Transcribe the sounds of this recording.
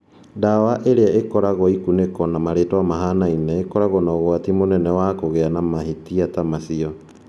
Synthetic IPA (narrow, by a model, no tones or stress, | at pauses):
dawaʔeɾeaʔekɔɾaɣɔikunekɔnamaɾeːtɔamaɦanainɛekɔɾaɣɔnɔɣwatimonɛnɛwakoɣeanamahitiatamasiɔ